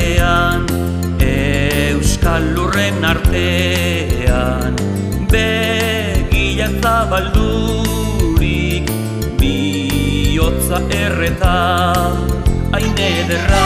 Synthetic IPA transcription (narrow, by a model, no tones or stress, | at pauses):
an | e | wskalːure̞naɾt̪e̞ | a | n | be̞ | ɣiʎasaβald̪u | ɾi | k | bi | o̞t͡saʔe̞ret̪a | ajneðera